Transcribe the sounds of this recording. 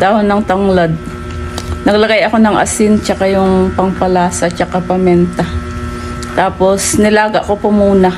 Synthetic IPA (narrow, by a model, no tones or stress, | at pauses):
d̪aːhonɐŋt̪ɐŋlad̪̚ | nɐɡlɐɡajɐko̞nɐŋʔɐ̰sɪnt͡ʃɐkajʊŋpɐŋpɐlaːsɐt͡ʃɐkapɐmɛnt̪ɐ | t̪aːpo̞snɪlaːɡɐʔkopomuːnɐ